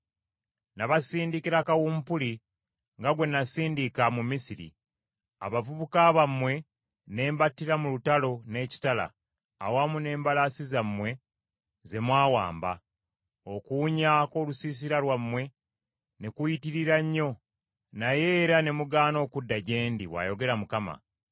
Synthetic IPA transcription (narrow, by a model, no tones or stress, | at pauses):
naβasiːndikiɾakawumpuli | ŋɡaɡwe̞nasiːndikamumisiɾḭ | a̰βavuβukaβamwe̞ | ne̞ːmbatːiɾamulutalo̞ne̞ːci̥tala̰ː | wamune̞ːmbalasizamːwe̞ | ze̞mwaːwa̰ːmba | o̞kuːɲako̞ːlusiːs̬iɾalwamːwe̞ | nekujitiɾiɾaɲːo̞ | naje̞ɾane̞muɡaːno̞ːkudːaɟe̞ːndiβwa̰ːjo̞ɡe̞ɾamukama̰